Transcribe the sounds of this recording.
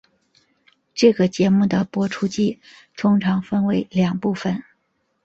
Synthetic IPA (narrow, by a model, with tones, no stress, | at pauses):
ʈ͡ʂɤ˥˩ɡə˩t͡ɕjɛ˧˥mu˥˩d̪ə˩pwɔ˧˥ʈ͡ʂʰu˥t͡ɕi˥˩ | t̪ʰʊ˥ŋʈ͡ʂʰɑ˧˥ŋfə˥nwe˧˥ɪljɑ˨˩ŋpu˥˩fə˨˩n